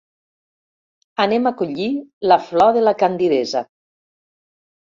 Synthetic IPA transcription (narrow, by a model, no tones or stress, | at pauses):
anemakuʎilaflɔðelakand̪iðeza